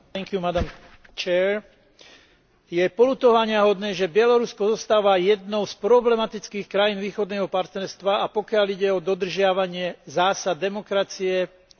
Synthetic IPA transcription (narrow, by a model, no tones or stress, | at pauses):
t̪ɛŋkjumad̪am | t͡ʃɛːɾ | jɛpɔlut̪ɔʋaɲɪaɦɔd̪nɛːʒɛbɪjɛlɔɾuskɔzɔst̪aːʋajɛd̪nɔʊspɾɔblɛmat̪it͡skiːxkɾajiːnʋiːxɔd̪nɛːɦɔpaɾt̪nɛɾst̪ʋaapɔkɪaliɟɛɔd̪ɔd̪r̩ʒɪaʋaɲɪɛzaːsad̪ːɛmɔkɾat͡siɛ